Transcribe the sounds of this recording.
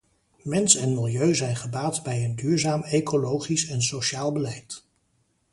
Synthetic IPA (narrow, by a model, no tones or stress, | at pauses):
mɛnsɛnmɪlˠjøɥzɛjnχəbaːtbɛjəndyːɹzaːmekʰolowχisɛnsoʃaːlˠbəlɛjt